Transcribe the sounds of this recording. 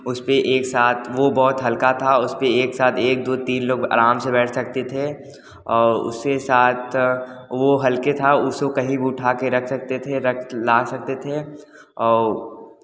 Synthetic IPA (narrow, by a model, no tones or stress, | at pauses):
ʊspeʔeːksaːt̪ʰʋobɔːt̪ɦɐlkat̪ʰaʊspeeːksaːt̪ʰeːk̚d̪oːt̪iːnloːɡa̰ːɾaːmsebɛːʈʰsɐk̚t̪et̪ʰe | ɔːɾʊ̰skesaːt̪ʰʋoɦɐlket̪ʰaʊsokɐɦĩbiʊʈʰaːkeɾɐkʰsɐk̚t̪et̪ʰeɾɐkʰlaːsɐk̚t̪et̪ʰe | ɔːɾ